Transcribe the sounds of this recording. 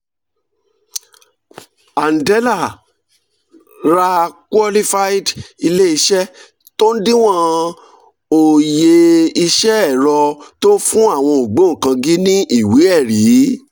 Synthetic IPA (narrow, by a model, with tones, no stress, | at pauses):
a˨n̩˨dɛ˨˦la˦˨ | ɾa˧kwɔ˧li˦fa˦i˦di˧le˦i˧ʃɛ˦ | to˦n̩˦dĩ˦w̃ɔ̃˦ | o˨je˧i˧ʃɛ˦ɛ˦˨ɾɔ˧to˦n̩˦fũ˦a˦˨w̃ɔ̃˧o˨ɡ͡bo˨˦ŋ̩̃˨kã˧ɡi˦nĩ˦ʔi˦˨wi˨˦ɛ˦˨ɾi˨˦